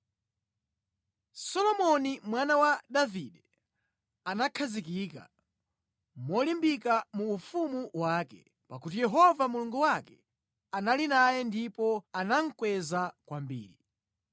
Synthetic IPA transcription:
sɔlɔmɔnimwanawadaviɗɛ | anakʰazikika̰ | mɔlimbikamuːfumuwaːkɛ̰ | pakutijɛɦɔvamuluŋɡuwakɛ̥ | analinajɛndipɔanaŋ̩kwɛzakwambḭːɾi

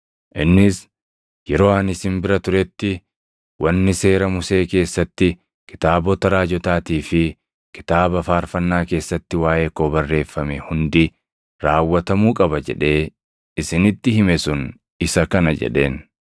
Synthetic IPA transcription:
ʔɪnːɪs | jɛɾo̞ːɐnɪsɪmbɪɾɐt̪ʊɾɛt̪ːɪ | wɐnːɪse̞ːɾɐmʊse̞ːke̞ːsːɐt̪ːɪ | kɪ̥t̪aːbɔt̪ɐɾaːd͡ʒɔt̪aːt̪iːfɪ | kɪ̥t̪aːbɐfaːɾfɐnːaːke̞ːsːɐt̪ːɪwaːʔeːkoːbɐrːe̞ːfːɐmɛhʊnd̪ɪ | ɾaːwːɐt̪ɐmuːkʼɐbɐd͡ʒɛ̰ᶑe̞ː | ɪsɪnɪt̪ːɪhɪmɛsʊn | ɪsɐkɐnɐd͡ʒɛ̰ᶑe̞̰ːn

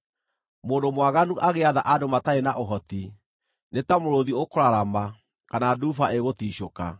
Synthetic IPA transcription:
moːndomwaɣanuʔaɣeaðaʔadomataenaʔoɦɔti | netamoɾoðiokoɾaɾama | kanadufaeɣotiːɕoka̰

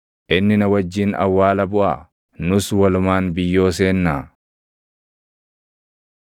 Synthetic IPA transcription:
ʔɪnːɪnɐwɐd͡ʒːɪnɐ̰wːaːlɐbʊʔa | nʊswɐlʊmaːnbɪjːo̞ːs̬eːnːaː

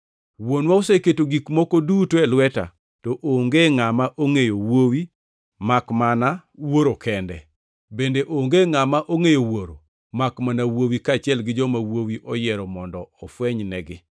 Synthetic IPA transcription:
wonwaoseketoɡikmokodutoɛlwɛta̰ | tɔʔoŋɡeŋamaʔoŋejowowi | makmanawoɾokɛndɛ̰ | bendeʔoŋɡeŋamaʔoŋejowoɾo̰ | makmanawowikat͡ʃɪɛlɡɪd͡ʒɔmawowiʔɔjɛɾɔmɔndɔɔfwɛɲnɛɡɪ

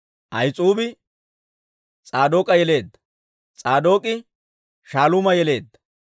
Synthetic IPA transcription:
ʔɐjt͡sʼuːbɪ | t͡sʼaːd̪o̞ːkʼɐjɛle̞ːd̪ːɐ̥ | t͡sʼaːd̪o̞ːkʼɪ | ʃaːlʊmɐjɛle̞ːd̪ːɐ̥

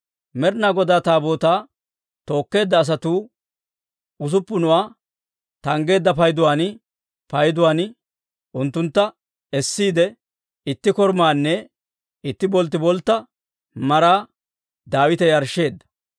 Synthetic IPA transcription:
mɛɾnaːɡɔd̪aːt̪aːbo̞ːt̪aː | t̪o̞ːkːe̞ːd̪ːɐːs̬ɐt̪uː | ʊs̬ʊpːʊnʊwaː | t̪ɐŋɡe̞ːd̪ːɐpɐjd̪ʊwaːnɪ | pɐjd̪ʊwaːnɪ | ʔʊnt̪ːʊnt̪ːɐ | ɛsːiːd̪ɛ | ɪt̪ːɪkɔɾmaːnːɛ | ɪt̪ːɪbɔlt̪ːɪbɔlt̪ːɐ | mɐɾaː | d̪aːwɪt̪ɛjɐɾʃːe̞ːd̪ːɐ̥

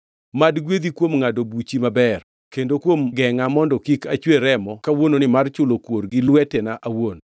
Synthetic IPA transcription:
madɡwed̪ikwomŋadobut͡ʃimabɛr | kendokwomɡɛŋamɔndɔkikat͡ʃweɾɛmɔkawononɪmart͡ʃʊlokworɡɪlwɛtɛnaʔawon

